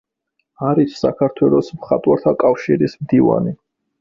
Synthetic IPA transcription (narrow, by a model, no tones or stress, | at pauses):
aɾit̪ʰsa̰kʰaɾt̪ʰwɛlˠɔsmχat̪ʼwaɾt̪ʰakʼafʃiɾismd̪iva̰ni